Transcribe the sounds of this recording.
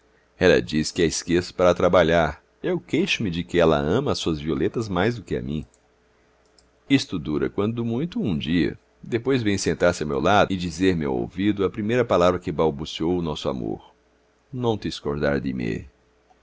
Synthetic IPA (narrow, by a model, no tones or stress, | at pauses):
ɛlɐ̰d͡ʒiskɪɛɪskesʊ̥paɾɐt̪ɾabaʎaɾ | ewkejʃʊmɪd͡ʒɪkɪɛlɐ̰ɐ̃mɐːsuɐzviolet̪ɐzmajzd̪ʊkɪɐ̰mḭ̃ | ist̪ʊd̪uɾɐ̰kwɐ̃nd̪ʊmũj̃t̪ʊũd͡ʒiɐ̰ | d̪epojzvẽj̃sẽnt̪aɾsɪawmḛwlad̪ʊɪd͡ʒizeɾmɪa̰wo̰wvid̪ʊɐpɾimejɾɐpalavɾɐkɪbawbusiowʊnɔsʊa̰mo̰ɾ | nɐ̃w̃t̪ɪskoɾd̪a̰ɾd̪ɪmḛ